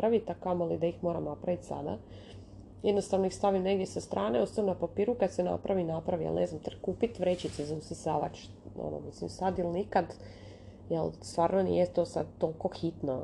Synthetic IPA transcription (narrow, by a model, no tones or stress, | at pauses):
ɾaʋit̪akamoalid̪aixmo̞ːɾamnapɾaʋit̪sa̰d̪a̰ | jed̪no̞st̪aʋnoixst̪aʋimne̞ɡd̪jesast̪ɾʔaːneost̪anonapapiːɾukad̪sena̰pɾaʋinapɾaʋijḛlnʔḛznamt̪rkuːpit̪ʋɾet͡ɕit̪sezausʲisaːʋat͡ʃ | o̰no̰mislḭmsad̪ilnikad̪ | jelˠst̪ʋaːɾnonḭjet̪o̞sa̰d̪̚t̪olˠko̞xit̪no